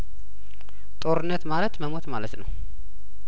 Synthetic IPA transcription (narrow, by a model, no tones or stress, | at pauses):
t̪ʼo̞ɾɨnːət̪malət̪məmo̞t̪malət̪nə̰w